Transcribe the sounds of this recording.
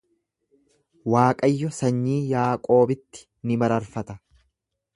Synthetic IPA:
waːkʼɐjːɔsɐɲːiːjaːkʼo̞ːbɪt̪ːɪ̥ | nɪmɐɾɐɾfɐt̪ɐ

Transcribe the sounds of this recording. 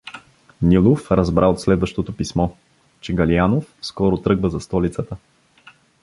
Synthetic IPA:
nʲilˠofɾɐzbɾʔaot̪slɛd̪vəʃt̪ot̪opismɔ | t͡ʃɛɡɐlianofskɔɾot̪ɾɤɡvəzɐst̪ɔlit̪sət̪ə

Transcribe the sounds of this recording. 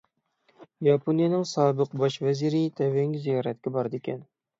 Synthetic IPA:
jɑpʰonijɛnɪŋsɑːbəqbɑʃvɛziɾit̪ʰɛvɛŋʲzijɑːɾɛt̪̚kʲɪbɑɾd̪ekʲʰɛn

